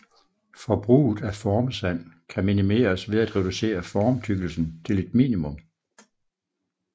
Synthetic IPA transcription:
fɒb̥ʁṵːð̩ˠæfɒːmsæn̰kʰæminime̝̰ːɐsʋe̝ðˠæd̥ʁɛd̥use̝̰ːɐfɒːmt͡sʰyɡ̥l̩sn̩t͡sʰe̝le̝d̥mḭːnimɔ̽m

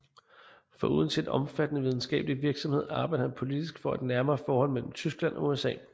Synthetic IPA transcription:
fɒ̽ʔuðˠn̩t͡sʰe̝d̥ɒ̽mfæd̥ənəʋið̞ˠn̩sɡ̥ɛ̰ːb̥əliʋiɐɡ̥sɒ̽mhe̝ð̰ˠɑ̈ːb̥ɑ̈ɪd̥əhænpʰo̝lid̥isɡ̥fɒ̽æd̥næɐmɐːfɒːhɒ̽l̰mel̰m̩t͡sʰysɡ̥lænʔɒ̽uesɛ̰ː

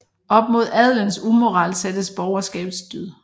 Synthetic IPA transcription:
ɒ̽b̥̚mo̝ð̞̰ˠæðˠlənsumo̝ʁɑ̈ːlsed̥əsb̥ɒʊɐsɡ̥ɛ̰ːb̥ðsd̥yð̰ˠ

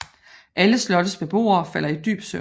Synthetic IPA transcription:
ʔæləslɒ̽d̥əsb̥e̝b̥o̝̰ːɐɒfæl̰ɐid̥y̰ːb̥sø

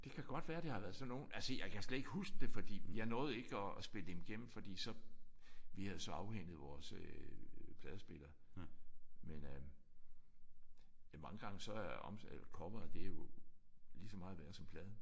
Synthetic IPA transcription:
d̥e̝kʰæɡ̥ɒ̽d̥ʋæːɐd̥e̝hɑ̈ʋæːɐðˠsɒ̽no̝ːnælsəjɑ̈ɪkʰæsled̥eɡ̥husɡ̥d̥e̝fɒ̽d̥ḭːmenjɑɐnɔ̽ːð̩ˠe̝ɡ̥əɒːsb̥e̝ləd̥emɡ̥em̰m̩fɒ̽d̥ḭːsɒ̽ | ʋihæðˠsɒ̽ɑ̈ʊheŋ̰ð̩ˠʋɒːsø | pʰlɛːðˠəsb̥e̝lɐː | menø | mɑ̈ŋəɡ̥ɑ̈ŋəsɒ̽æɒmselɐkʰɒ̽b̥ʁɐð̩ˠd̥e̝æjo̝ | lisɒmɑ̈ːðˠʋæɐsɒ̽mpʰlɛːð̞ˠə

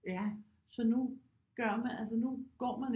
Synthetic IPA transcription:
jæ | sɒ̽nu | ɡ̥ɶɐ̰mænʔæls̬ənuɡ̥ɒ̰ːmæn

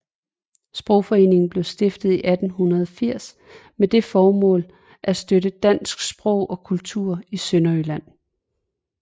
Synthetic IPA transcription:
sb̥ʁɔʊ̰fɒ̽e̝ːne̝ŋn̩b̥le̝ʊsd̥e̝fd̥ð̞̩ˠiʔæd̥n̩ɦunɐðˠɒfiɐ̰s | med̥e̝fɒːmɔ̰̽ːl | ʔæsd̥øɾəd̥æn̰sɡ̥sb̥ʁɔʊ̰ʔɒ̽kʰult͡sʰuɐ̰isønɐylæn̰

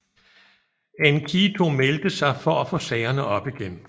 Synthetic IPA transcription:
ænkʰit͡sʰo̝meld̥əsɑ̈ɪfɒ̽æfɔ̽sɛɪɐnəʔɒ̽b̥iɡ̥en̰

